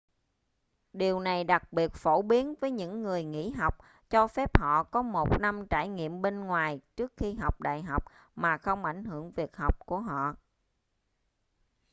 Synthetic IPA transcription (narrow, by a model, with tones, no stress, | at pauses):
ɗi˨˩əwna˨˩jɗa˨˩k̚ɓi˨˩ət̚fo˧˩ɓi˨˦ənvəː˨˦jɲɨ̰˧˥ŋːɨ˨˩əjŋḭ˧˥ɦa˨˩wk͡p̚ | t͡ɕɔ˧fɛ˦˥p̚hɔ̰˧˨kɔ˨˦mo˨˩t̚na˧mt͡ɕaː˧˩jŋḭ˧˨əmɓe˧nŋwaː˨˩jt͡ɕɨ˦˥ək̚xi˧ɦa˨˩wk͡p̚ɗa̰ː˧˨jɦa˨˩wk͡p̚ | maː˨˩xə˧wŋ͡mʔa˧˩jŋ̟ɦɨ˧˩əŋvi˨˩ək̚ha˨˩wk͡p̚ku˧˩əɦɔ̰˧˨